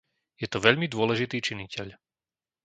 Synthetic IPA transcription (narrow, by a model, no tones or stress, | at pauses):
jɛt̪ɔʋɛʎmid̪ʊɔlɛʒit̪iːt͡ʃinicɛʎ